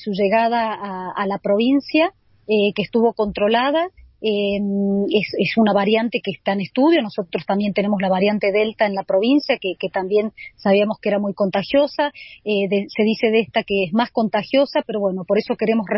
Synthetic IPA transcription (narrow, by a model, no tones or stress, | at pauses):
suʒe̞ɣað̞aːlapɾo̞β̞insja | ekeːst̪uβo̞ko̞nt̪ɾo̞lað̞aemesesunaβaɾjant̪e̞keːst̪aenest̪uðjo̞no̞so̞t̪ɾo̞st̪ambje̞nt̪ene̞molaβaɾjant̪e̞ðe̞lt̪aenlapɾo̞βinsjakeket̪ambje̞nsaβiamo̞skeeɾamujko̞nt̪axjo̞saeðese̞ðise̞ðest̪akeezmasko̞nt̪axjo̞sapeɾo̞βwe̞no̞po̞ɾe̞so̞ke̞ɾe̞mo̞sre